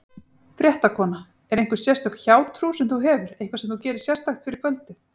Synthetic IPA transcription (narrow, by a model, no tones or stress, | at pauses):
fɾʲjɛht̪akʰɔːna | ɛɾejŋkʏ̥sjɛr̥st̪œkçaːwt̪ʰɾusɛmθuɦɛːvʏɾejhŋkʰvasɛmθucɛːɾɪssjɛrst̪axt̪fɪɾɪɾkʰœlt̪ɪθ